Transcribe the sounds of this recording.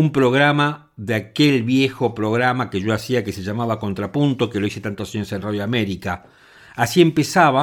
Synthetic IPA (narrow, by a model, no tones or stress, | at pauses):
umpɾo̞ɣɾama | ðeakelβjexopɾo̞ɣ̞ɾamakeʒo̞asiakeseʒamaβako̞nt̪ɾapunt̪o̞keloise̞t̪ant̪oasjensenraðjoameɾikaː | siempesaβa